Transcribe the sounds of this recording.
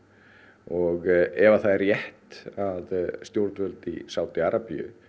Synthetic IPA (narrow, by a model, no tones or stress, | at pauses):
ɔɣɛvaθaðɛɾjɛht̪aðst̪jowɾt̪vœlt̪ḭsawt̪ɪaɾapijʏ̰